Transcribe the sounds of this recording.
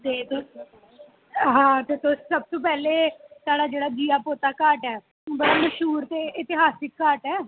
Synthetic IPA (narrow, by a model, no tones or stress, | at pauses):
t̪eːt̪o | ɦãːt̪eːt̪osːəb̚t̪õːpɛːleːt̪aːɽaːd͡ʒeːɽaːd͡ʒiːaːpoːt̪aːkaːʈɛː | bəɽaməʃuːɾt̪eːʔɪt̪ɪɦaːsɪkːaːʈɛː